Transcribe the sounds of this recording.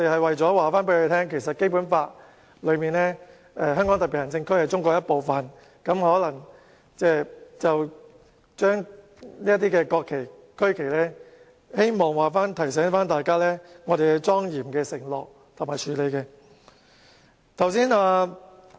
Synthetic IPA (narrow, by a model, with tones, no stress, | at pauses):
ɔ˧t̪e˨jhɐ˨jwɐ˨jt͡ʃɔː˨˥waː˨faː˥npe˨˥lɵ˧t̪ʰɛː˥ŋkʰe˨˩jsɐ˨t̚ke˥jpuː˨˥nfaː˧t̚ | lɵ˨˧miː˨˩nɛː˥ | ɛː˧ɦœː˥ŋkɔː˨˥ŋt̪ɐ˨˩pi˨˩jɐ˨˩nt͡sɪ˧ŋkʰɵ˥ɥhɐ˨jt͡sʊ˥ŋkʷɔː˧k̚jɐ˥t̚po˨wfɐ˨n | kɐ˨˥mhɔː˨˥lɐ˨˩ŋ | t͡sɛː˥˩t͡sɐ˨w | t͡ʃœː˥ŋ | liː˥jɐ˥t̪̬ːiː˥kɛː˧kɔː˧kʰːe˨˩j | kʰɵ˥ɥkʰe˨˩jlɛː˥ | he˥jmɔː˨˩ŋwaː˨˩faː˥nt̪ʰɐ˨˩js̬ɛː˨˥nfaː˥nt̪aː˨jkaː˥lɛː˥ŋɔː˨˧t̪e˨jkɛ˧t͡sɔː˥ŋjiː˨˩mkɛː˧sɪ˨˩ŋlɔː˨k̚ | t̪ʰmaː˨˩jt͡ʃʰyː˨˧le˨˧jkɛː˧ | t̪ʰɐ˨˩wsiː˥naː˧